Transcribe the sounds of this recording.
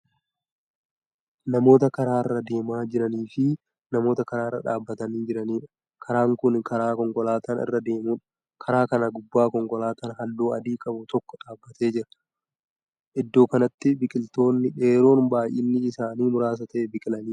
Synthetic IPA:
nɐmo̞ːt̪ɐkɐɾaːɪrːɐd̪e̞ːmaːd͡ʒɪɾɐniːfɪ | nɐmo̞ːt̪ɐkɐɾaːɪrːɐ̰ᶑaːbːɐt̪ɐniːd͡ʒɪɾɐniːᶑɐ̥ | kʰɐɾaːŋkʊnkɐɾaːkɔŋkɔlaːt̪anɪ̰rːɐd̪eːmuːᶑ | kʰɐɾaːkɐnɐɡʊbːaːkɔŋkɔlaːt̪anɦɐlːoːɐd̪iːkʼɐbʊt̪ɔkːɔ̥ᶑaːbːɐt̪e̞ːd͡ʒɪɾɐ̥ | ʔɪd̪ːo̞ːkɐnɐt̪ːɪbɪkʼɪlt̪o̞ːnːɪᶑe̞ːɾo̞ːnbaːjʔɪnːɪɪsaːniːmʊɾaːs̬ɐt̪ɐʔɛbɪkʼɪlɐniːᶑɐ

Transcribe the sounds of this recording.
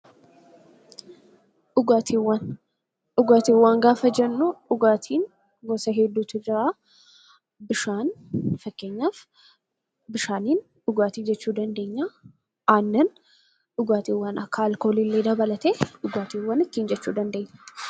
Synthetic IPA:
ʔʊɡaːt̪ʰiːwːɐn | ʔʊɡaːt̪iːwːaːŋɡaːfɐd͡ʒɛnːuʊɡaːt̪ʰiːn | ɡɔsɐɦed̪ːuːt̪ʊd͡ʒɪɾaː | ɪʃaːnfɐkːe̞ːɲːaːf | bɪʃaːniːn | ʊɡaːt̪iːd͡ʒɛt͡ʃːuːd̪ɐnd̪e̞ːɲːa | ʔaːnːɐn | ʊɡaːt̪iːwːaːnɐkːalkoːlilːeːd̪ɐbɐlɐt̪eːʔʊɡaːt̪iːwːɐnɪt̪ːiːnd͡ʒɛt͡ʃːuːd̪ɐnd̪e̞ːɲːɐ̥

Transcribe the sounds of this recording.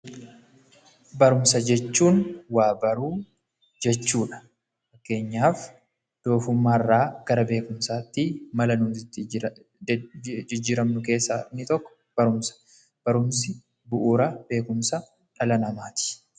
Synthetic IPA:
bɐɾʊmsɐd͡ʒɛt͡ʃːuːnwaːbɐɾuː | d͡ʒɛt͡ʃːuːᶑɐ̥ | fɐkːe̞ːɲːaːf | d̪̥o̞ːfʊmːaːrːaːɡ̥ɐɾɐbe̞ːkʊmsaːt̪ːiːmɐlɐnuːsɪt̪ːɪ | ɪd͡ʒːɪːɾɐmnʊke̞ːsːaːɪnːɪt̪ɔkːɔ̥ | b̥ɐɾʊmsɐ̥ | b̥ɐɾʊmsɪ | bʊʔuːɾɐb̥e̞ːkʊmsɐ | ᶑɐlɐnɐmaːt̪ɪ̥

